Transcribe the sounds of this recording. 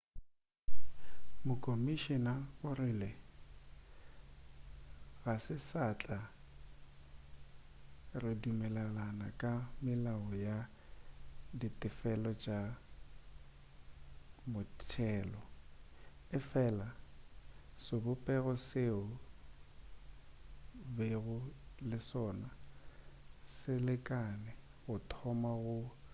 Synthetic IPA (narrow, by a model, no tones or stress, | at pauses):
mʊkʼomiʃinaʊrɪlɪ | ɣasɪsat͡ɬʼa | rɪdumɛlɛlanakʼamɪlaɔja | ditʼɪfɛlɔt͡ʃʼa | mʊtʰɛːlɔ | ɪfɛːla | sobʊpʼɛɣɔseʊ | beɣʊlɪsɔːna | sɪlɪkʼanɛ | ɣʊtʰɔmaɣʊ